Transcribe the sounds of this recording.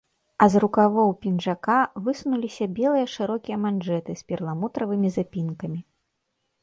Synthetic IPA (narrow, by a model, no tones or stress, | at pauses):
ɐzrukavɔwpʲinʐakavɨsunulʲisʲɐbʲɛlˠɨjɐʂɨɾɔkʲijɐmanʐɛt̪ɨspʲirlˠamut̪ɾɐvɨmʲizapʲinkɐmʲi